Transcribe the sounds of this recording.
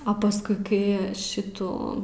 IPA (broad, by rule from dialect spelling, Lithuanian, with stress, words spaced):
ɐ pɐˈskʊɪ kɐɪ ˈʃʲɪtuː